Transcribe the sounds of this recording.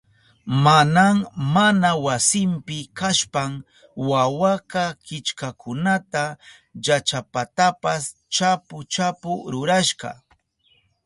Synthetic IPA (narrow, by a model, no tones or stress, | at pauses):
manaŋmanawasɪmpɪkaʃpam | wawakakɪt͡ʃkakʰʊnat̪a | jat͡ʃapat̪apas | t͡ʃapʊt͡ʃapʊɾʊɾaʃɢɑ̰